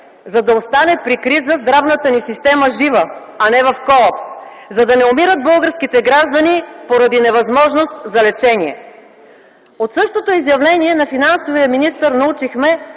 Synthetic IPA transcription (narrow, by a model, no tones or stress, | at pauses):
zɐd̪ɐost̪anɛpɾikɾizəzd̪ɾavnət̪ənisist̪ɛməʒivə | ɐnɛvɐfkɔlˠapszɐd̪ɐnɛomiɾəd̪̚bɤlˠɡəɾskit̪ɛɡɾaʒd̪ənipoɾɐd̪inɛvɐzmɔʒnost̪zɐlɛt͡ʃɛniɛ̰ | ot̪sɤʃt̪ot̪oizjɐvlɛniɛnɐfinansovijəminist̪əɾnɐut͡ʃixmɛ